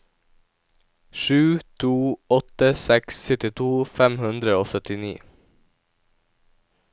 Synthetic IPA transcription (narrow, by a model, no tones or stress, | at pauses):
ʃʉːt̪ʰuːɔt̪əsɛksːʏt̪ɪt̪ʰuːfɛmhʉnd̪ɾəoːsœt̪ɪnḭː